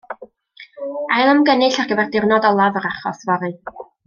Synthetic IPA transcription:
ajlˠəmɡənɨɬaɡ̥əbɛrdɪrnɔdɔlˠavəɾaχɔ̰svɔɾɨ

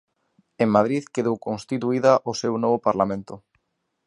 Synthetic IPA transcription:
eŋmað̞ɾiðkeðowkõnst̪it̪uiðaʔosewnɔβopaɾlamẽnt̪ʊ

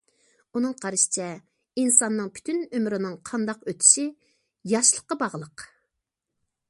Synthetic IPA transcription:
unɨŋqʰɑɾɨʃi̥t͡ʃʰɛ | insɑnːɨŋpʰy̥t̪ʰynømɾɪnɨŋqʰɑnd̪ɑqøt̪ʰi̥ʃi | jɑʃlˠə̥qːɑbɑʁlˠəq

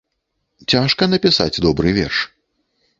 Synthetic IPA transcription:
t͡sʲaʂkɐnɐpʲisa̰d͡zʲd̪ɔbɾɨvʲɛ̰rʂ

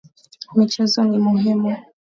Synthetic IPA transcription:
mit͡ʃɛzɔnimuɦimu

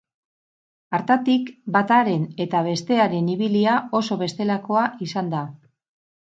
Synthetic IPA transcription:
aɾt̪at̪ikbat̪aɾe̞ne̞t̪aβ̞e̞st̪e̞aɾe̞niβiliao̞so̞βe̞st̪e̞lako̞aisand̪a

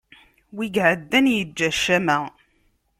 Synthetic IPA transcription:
wiɡʕəd̪ːænjəd͡ʒːæʃæmæ

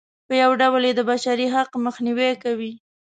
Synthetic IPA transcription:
pəjawɖawəljed̪əbaʃaɾiɦaqməxniwekawi

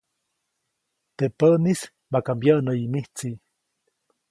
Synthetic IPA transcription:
t̪epənis | makambjanəimiht͡si

